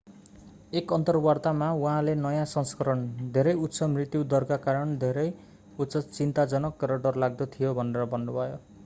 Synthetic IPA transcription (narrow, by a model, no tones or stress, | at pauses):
ekʌnt̪ʌrwart̪amawuɦãlenʌjãsʌŋskʌɾʌnd̪ʱeɾʌjut̪ːsʰʌmrit̪jud̪ʌrkakaɾʌnd̪ʱeɾʌj | ut̪sʌt͡sint̪ad͡zʌnʌkrʌɖʌrlaɡ̚d̪ʌt̪ʰijobʱʌneɾʌbʱʌnːubʱʌjo